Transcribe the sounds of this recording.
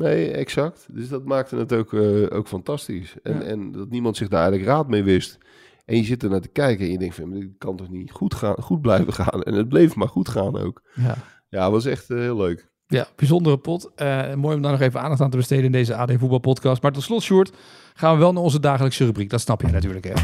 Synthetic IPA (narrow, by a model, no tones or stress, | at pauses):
nejɛ̰ksɑk̚tdøsdɑtmaːk̚tənətowko̰wkfɑntɑstisɛ̰nɛ̰ndɑtnimɑntsɪɣdarɛjɣələkraːtmejʋɪst | ʔɛnjəzɪt̚dəɹnaːɹtə̥kɛjkəɛnjədɛ̃ŋktfɔnjamaɪkɑntɔχniχutaχud̚blɛjvəχa̰ːnɛ̰nəd̚blejfmaːɹχutχaːno̰wkja̰ | jaʋɑs̬ɛxthɪːlˠløɥk | jab̥izɔndərəpɔtəmoːjɔmdanɔχejvənʔaːndɑχtaːntəbəstejdəɪndejzəaːdejfut̚bɑlˠpɔtkɑstmaːɹtɔtslɔtsuːɹt | χaːnʋəʋɛlˠnaːɹɔnzədaːχələksərybrik̚dɑtsnɑpjəjnatyːɹləkɦɛ